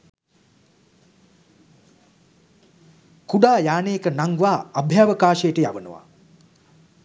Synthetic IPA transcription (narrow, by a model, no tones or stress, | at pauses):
kuɖaːjaːneːkənaŋɡʋaːabʱjaːʋəkaːʃəjəʈəjaʋənə̰ʋa̰